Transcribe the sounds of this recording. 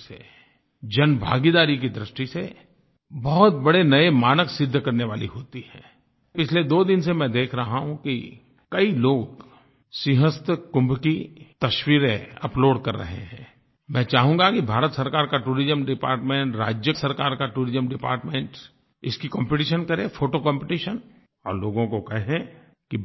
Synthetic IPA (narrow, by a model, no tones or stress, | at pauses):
sḛ | d͡ʒɐnbʱa̰ːɡid̪aːɾik̬id̪ɾɪʃʈise | bɔɦʊt̪̚bɐɽenɐemaːnəksɪd̪ʱːkɐɾneʋaːliɦoːt̪iɦɛ̰̃ː | pɪt͡ʃʰled̪oːd̪ɪnsemɛ̃ːd̪eːkʰɾɐɦaɦũki | kɐiloːɡ | sɪɦəst̪kʊ̃mbkit̪ɐʃwiːɾẽɐploːɖkɐɾːɐ̰ɦḛɦɛ̃ː | mɛ̃ːt͡ʃaːɦũŋɡakibʱaːɾət̪sɐɾkaːɾkaʈuːɾɪzəmɖɪpa̰ːɾʈmẽːɳʈɾa̰ːd͡ʒjəsɐɾkaːɾkaʈuːɾɪzəmɖɪpa̰ːɾʈmẽːɳʈ | ɪskikɔ̃ːmpɪʈiːʃənkɐɾẽfʰoːʈokɔ̃ːmpɪʈiːʃən | ɔːɾloːɡõkokɛɦẽ | ki